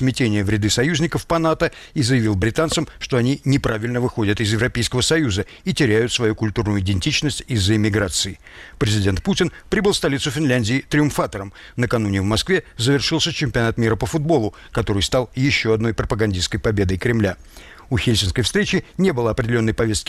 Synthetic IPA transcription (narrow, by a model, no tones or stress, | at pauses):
smʲɪtʲenʲɪjəvɾʲɪd̪ɨsɐjuzʲnʲɪkəfpɐnat̪ə | izəjɪvʲilˠbɾʲɪt̪ant̪səmʂt̪oɐnʲinʲɪpɾavʲɪlʲnəvɨxo̞dʲət̪ɪzjɪvɾɐpʲejskəvəsɐjuzə | itʲɪɾʲæjʊt̪svɐjukʊlʲt̪urnʊjʊɪdʲɪnʲtʲit͡ɕnəsʲtʲizːəɪmʲɪɡɾat̪sɨɪ | pɾʲɪzʲɪdʲe̞nt̪̚putʲɪnpɾʲibɨlˠfst̪ɐlʲit̪sʊfʲɪnlʲænʲdʲɪɪt̪ɾʲɪʊmfat̪əɾəm | nəkɐnunʲɪvmɐskvʲezəvʲɪrʂɨlˠsʲət͡ɕɪmʲpʲɪɐnat̪mʲiɾəpəfʊd̪̚bo̞lˠʊ | kɐt̪o̞ɾɨjst̪alˠjɪɕːoɐd̪no̞jpɾəpəɡɐnʲdʲiskəjpɐbʲe̞d̪əjkɾʲɪmlʲæ | ʊxʲelʲsʲɪnskəjfst̪ʲɾʲet͡ɕɪnʲe̞bɨlˠəɐpɾʲɪdʲɪlʲo̞nːəjpɐvʲest̪̚kʲɪ̥